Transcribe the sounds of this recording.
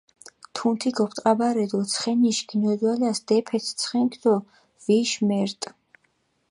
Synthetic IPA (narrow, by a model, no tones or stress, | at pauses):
t̪ʰunt̪ʰiɡɔpʰt̪ʼqʼabaɾɛd̪ɔt̪sʰχɛniʃɡinɔd̪walasd̪̥ɛpʰɛt̪ʰt̪sʰχɛŋkʰd̪ɔ | viʃmɛɾt̪ʼ